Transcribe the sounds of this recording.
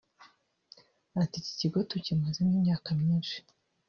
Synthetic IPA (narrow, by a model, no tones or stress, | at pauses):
atici̥ciɡo̞tucimazeniːmɲaːkamɲiːnʃi̥